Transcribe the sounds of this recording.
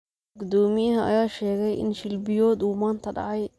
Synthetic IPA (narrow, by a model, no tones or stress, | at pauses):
ɡʊd̪ɔːmɪjɐɦɐʔɐ̰jaːʃɛːɣɛjʔɪ̰nʃɪlbɪjɔːd̪uːmaːnt̪ʰɐɖɑ̰ʕɑj